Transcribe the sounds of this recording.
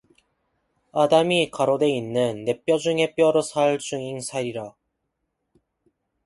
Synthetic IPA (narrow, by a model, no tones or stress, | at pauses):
adamikaɾode̞inːɯnːe̞p͈jʌd͡ʑuŋe̞p͈jʌɾosʰaɭt͡ɕ͈uŋiŋsʰaɾiɾa